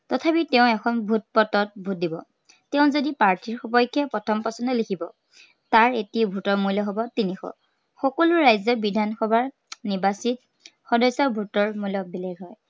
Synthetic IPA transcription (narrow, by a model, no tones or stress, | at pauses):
tɔtʰapitɛʊ̃ɛkʰɔnbʱut̚pɔtɔt̚bʱut̚dibɔ̰ | teʊ̃zodipaɹtʰiɹxɔpɔjkʰːɛpɹɔtʰɔmpɔsɔndɛlekʰibɔ̰ | taɹetibʱutɔɹmujlɔɦɔbɔtinixɔ̰ | xɔkɔluɹajzɔbidʱanxɔbʱaɹ | nibasit | xɔdɔjsɔɹbʱutɔɹmujlɔbileɡɦɔj